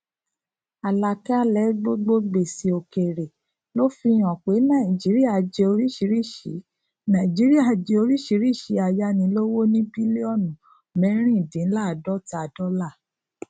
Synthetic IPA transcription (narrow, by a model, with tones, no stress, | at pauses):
a˨la˨ka˦a˦lɛ˨˦ɡ͡bo˦ɡ͡bo˦ɡ͡be˨si˨o˨ke˨ɾe˨ | lo˦fi˧j̃ɔ̃˨k͡pe˨˦nã˦˨i˨d͡ʒi˨˦ɾi˦a˦˨d͡ʒe˧o˧ɾi˦ʃi˨˦ɾi˦˨ʃi˨˦ | nã˨i˨d͡ʒi˨˦ɾi˦a˦˨d͡ʒe˧o˧ɾi˦ʃi˨˦ɾi˦˨ʃi˨˦a˧˨ja˧nĩ˧˦lo˦wo˦nĩ˦bi˦le˦ɔ˦˨nũ˨ | mɛ̃˨˦ɾ̃ĩ˦˨dĩ˨˦n̩˦la˦˨dɔ˦ta˨dɔ˦la˦˨